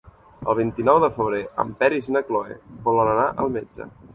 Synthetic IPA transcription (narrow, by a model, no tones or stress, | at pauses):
ə̰lˠβ̞int̪inɔwðəfəβ̞ɾeʔə̰mpɛɾiznəkloḛbɔlənənaʔəlˠmed͡ʒə̰